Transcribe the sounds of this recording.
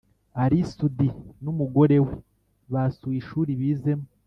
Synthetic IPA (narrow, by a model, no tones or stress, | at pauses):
aɾisudinumuɡo̞ɾe̞we | βasuiʃuːɾiβiːze̞mo